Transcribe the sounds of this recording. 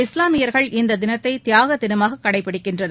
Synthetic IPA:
ɪslaːmɪjɐɾɣɐɭɪnd̪ɐd̪ɪnɐt̪ːɐɪt̪ɪjaːɣɐt̪ːɪnɯmaːɣɐkːɐɽɐɪpːɐɽɯkːɪndrɐnɐ

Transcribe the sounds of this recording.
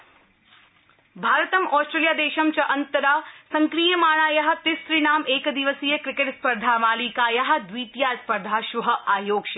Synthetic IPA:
bʱaːɾɐt̪ɐmɔːsʈɾeːljaːd̪eːʃɐmt͡ʃɐʔɐnt̪ɐɾaːsɐŋkɾijɐmaːɳ̃aːjɐɦɐ̆t̪ɪsɾinaːmeːkd̪iʋɐsijɐkɾɪkeʈspɐɾd̪ʱaːmaːliːkaːjɐɦɐ̆d̪ʋiːt̪jaːspɐɾd̪ʱaːʃuɦɐ̆ʔaːjoːkʃɐ

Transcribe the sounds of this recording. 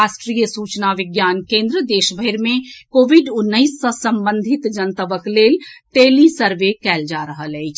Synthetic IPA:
aːsʈɾijəsuːt͡ʃnaʋɪɡjaːnkẽːnd̪ɾəd̪eːʃbʱəɪɾmẽkoːʋiɖʊnːəɪsːəsɐ̃mbə̃nd̪ʱɪt̪d͡ʒənt̪əʋəkleːlʈeːlisəɾʋekɛːld͡ʒaːɾəɦəlɛit͡ʃʰ

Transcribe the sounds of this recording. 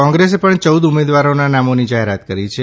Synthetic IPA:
ɔ̃ŋɡɾes̬epəɳt͡ʃəwd̪umed̪ʋaɾonanamonid͡ʒaɦeɾat̪kəɾit͡ʃʰe

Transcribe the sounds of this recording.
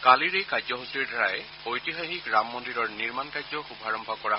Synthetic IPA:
kaliɹejkajzɔɦusɹiɹdʱaɹajɛ | ojtixaxikɹamːɔndilɔɹniɹmankajzɔxubʱaɹɔmbʱɔkɔɹa

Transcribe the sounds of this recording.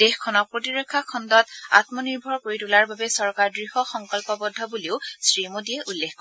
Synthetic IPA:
dexkʰɔnɔk̚pɹotiɹɔkʰːakʰɔndɔta̰tmɔniɹbʱɔɹkoɹitulaɹbabɛsɔɹkaɹdɹihɔxɔŋkɔlpɔbɔdʱːɔbuliʊsɹimodijɛʔulːekʰkɔ

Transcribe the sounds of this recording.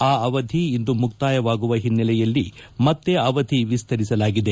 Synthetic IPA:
aːɐʋɐd̪ʱiind̪umuk̚t̪aːjɐʋaːɡuʋɐɦinːɛlɛjɐlːimɐt̪ːe̞ɐʋɐd̪ʱiʋist̪ʰɐɾisɐlaːɡid̪e

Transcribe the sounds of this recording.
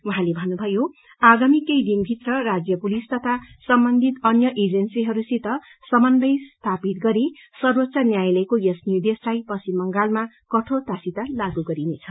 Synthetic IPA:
uɦãlebʱʌnːubʱʌjo | aɡamikʌjd̪inbʱit̪rʌrad͡zjʌpulist̪ʌt̪ʰasʌmbʌnd̪ʱit̪ʌnjʌʔed͡zensiɦʌɾusit̪ʌ | sʌmʌnd̪ʌjst̪ʰapit̪̚ɡʌɾisʌrwʌt̪sanjajlʌjkojesnjud̪eslajpʌsimʌŋɡalma | kʌʈʰot̪asit̪alaɡuɡʌɾinet͡sʰʌ

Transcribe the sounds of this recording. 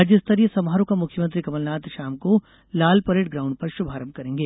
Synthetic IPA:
ad͡ʒjəɪst̪ʰɐɾijəsɐmɦaːɾõkamʊkʰjəmə̃nt̪ɾikɐməlnaːt̪ʃaːmko | laːlpɐɾeːʈ̚ɡɾaːʊ̃ɳɖ̚pɐɾʃʊbʱaːɾəmkɐɾẽːŋɡeː

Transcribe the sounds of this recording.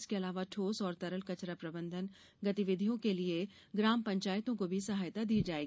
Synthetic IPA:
skeɐlaːʋaʈʰoːsɔːɾt̪ɐɾəlkɐt͡ʃɾapɾɐbə̃nd̪ʱən | ɡɐt̪iʋɪd̪ʱijõkelie | ɡɾaːmpɐ̃ɲt͡ʃaːjt̪õkobʱisɐɦaːjt̪ad̪iːd͡ʒaːeːɡi

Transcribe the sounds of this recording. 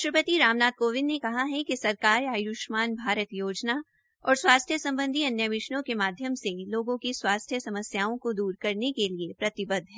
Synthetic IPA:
ɪʃɾəpət̪iɾaːmnaːd̪̚koːʋɪnːekɐɦaɦɛkisɐɾkaːɾaːjuʃmaːnbʱaːɾət̪joːd͡ʒna | ɔːɾswaːst̪ʰjəsɐ̃mbə̃nd̪ʱiɐnjəʋɪʃɳõkemaːd̪ʱjəmseloːɡõkiswaːst̪ʰjəsɐməsjaːõkod̪uːɾkɐɾnekeliepɾɐt̪ɪbəd̪ʱɦɛ̃ː

